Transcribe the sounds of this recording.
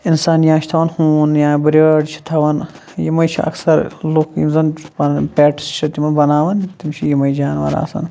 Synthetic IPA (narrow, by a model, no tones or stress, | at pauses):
insaːnjãːt͡ʃʰi̥t̪ʰɐʋɐnhuːnjãːbɾɐɖt͡ʃʰi̥t̪ʰɐʋɐn | jimɐjt͡ʃʰḭɐ̰ksɐɾlukjḭmzɐnbɐnpʲeːʈst͡ʃʰɐt̪imɐnbɐnaːʋɐnt̪imt͡ʃʰijimɐjd͡ʒaːnʋɐ̰ɾa̰ːsɐ̰n